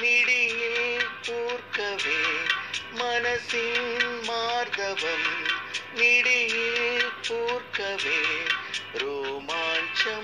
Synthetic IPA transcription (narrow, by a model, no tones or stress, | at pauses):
niɽijilpuːɾkɐʋeːmɐnɐsinmaːɾd̪ɐʋɐm | niɽijipuːɾkɐʋeː | ɾoːmaːnt͡ʃɐ